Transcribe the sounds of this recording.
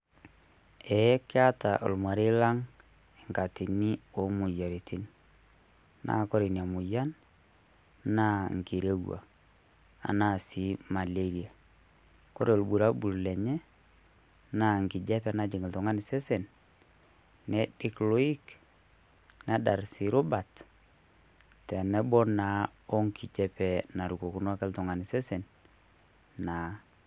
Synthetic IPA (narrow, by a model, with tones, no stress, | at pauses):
ɛ˨˦kɪ˦a˦ta˨ʔo̰˨lma˨ɾi˦la˦ŋ | ɛ˨ŋka˨ti˨ni˦o˦mu˨ja˨ɾi˨ti˦n | na̰˦ko˦ɾi˨n˨a˨mu˨ja˦n | na˦ŋ˨ki˨ɾe˦wa̰˨ | a̰˨na˦si˦ma˨le˦ɾi˨a˨ | ko˦ɾe˨o˨lbu˨ɾa˦bu˨llɛ˨ɲɛ˦ | na˨ŋ˨kɪ˨d͡ʒɛ˦pɛ˨na˨d͡ʒɪ˨ŋɪ˨ltɔ˨ŋa˦ni˨sɛ˦sɛ˨n | nɛ˦dɪ˦klo˦i˦k | na˦da˨ɾsi˨ɾʊ˦ba˨t | tɛ˨nɛ˦bɔ˦na˨˦ɔ˦ŋkʰi˨d͡ʒɛ˦pɛ˨na˨ɾu˨ko˨ku˦n˦a˦kɛ˦ltɔ˨ŋa˨ni˨sɛ˦sɛ˨n | na˨